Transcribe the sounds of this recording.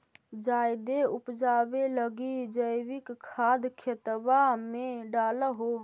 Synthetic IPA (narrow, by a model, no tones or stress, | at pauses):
d͡ʒajd̪eupd͡ʒabeləɡid͡ʒəjbikkʰad̪kʰet̪bameɖaləɦo